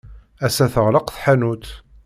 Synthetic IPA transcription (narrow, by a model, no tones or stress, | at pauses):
æsæθəʁləqθħænut̪